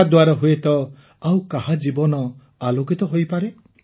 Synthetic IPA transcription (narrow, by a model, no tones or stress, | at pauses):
ad̪waɾɔɦuet̪ɔ | awkaɦad͡ʒibɔnɔ | aloɡit̪ɔɦojpaɾe